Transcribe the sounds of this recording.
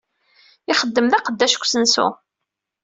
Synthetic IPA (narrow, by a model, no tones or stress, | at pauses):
ɪχəd̪ːəmðæqəd̪ːæʃkʷːsənsṵ